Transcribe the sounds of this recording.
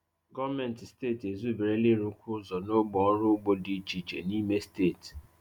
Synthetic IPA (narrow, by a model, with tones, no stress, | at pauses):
ɡɔ˦vmɛ̃˨n˨tsteː˦˨te˨zu˦˨be˨ɾe˦lɪ˦ɾu˨˦kʰʷʊ˦zɔ˨no˦ɡ͡bɔ˨ɔ˦ɾʊ˦ɡ͡bo˦di˦t͡ʃi˨t͡ʃḛ˨ni˦me˦steː˦˨t